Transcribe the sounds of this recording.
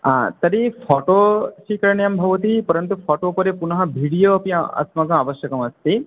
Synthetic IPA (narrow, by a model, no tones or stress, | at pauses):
at̪ɐɾipʰɔːʈoːʃikɐɾɳjɐmbʱɐʋɐt̪ipɐɾɐnt̪upʰaːʈoːpɐɾepunɐɦɐbʱiɽijoːɐpijɐɐ̰smɐɡɐɐʋɐʃjɐkɐmɐst̪i